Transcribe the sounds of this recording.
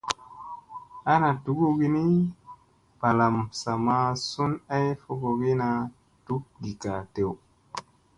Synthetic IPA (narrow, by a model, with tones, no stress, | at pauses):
a˦na˨tu˨˦ɡu˦ɡi˦ni˦ | pa˨la˨msa˨ma˧su˦na˦jfo˦ɡo˨ɡi˦na˧ | tu˦k̚di˨ka˨te˨w